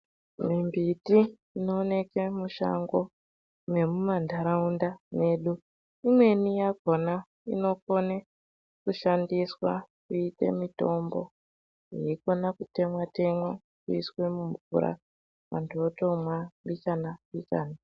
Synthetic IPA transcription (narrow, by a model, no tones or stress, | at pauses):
mimbitiː | noːne̞kemuʃa̰ŋɡo | me̞mumandʱaɾaundane̞ɗu | imwe̞nijaɡʱo̞na | ḭno̞ko̞ne | kuʃandiswa̰ | kuite̞̰mito̞mbo̰ | jeikonakute̞mwate̞mwo | kuiswe̞muɱvṵɾa̰ | mantʰotomwaɓikanaɓika̰ːna